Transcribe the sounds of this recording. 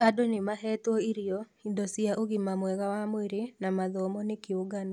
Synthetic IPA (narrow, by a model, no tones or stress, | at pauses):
adonɪmaɦɛt̪wɔiɾioidosiaʔoɡɪmamwɛɡawamweɾɪnamaðɔmɔnɪkɪoɡanɔ